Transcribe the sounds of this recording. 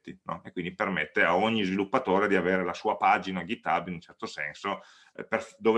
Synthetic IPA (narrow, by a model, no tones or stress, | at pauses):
t̪ːinɔ̰ekːwind̪ipermet̪ːeaoɲːizvilupːat̪oːɾed̪iaveːɾelasuːapaːd͡ʒinaɡit̪ːabinunt͡ʃɛrt̪osɛnso | perfd̪oːv